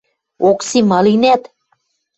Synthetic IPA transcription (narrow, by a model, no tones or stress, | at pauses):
oksimɑlinæt̪